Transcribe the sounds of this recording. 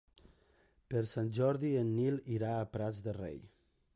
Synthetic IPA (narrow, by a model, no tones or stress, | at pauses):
pəɾsanʒɔɾðienːiliɾaːpɾazd̪ərḛj